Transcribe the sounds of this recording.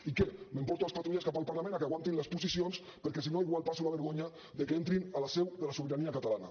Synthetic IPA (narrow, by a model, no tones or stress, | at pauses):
ikɛmempɔɾt̪ualˠspat̪ɾuʎaskapalˠpaɾlamẽnakeaɣwant̪inləspusisions | pəɾkɛsinoiɣ̞walpasulaβeɾɣoɲa | ðekeent̪ɾinalasɛwðelasuβiɾaniakat̪alana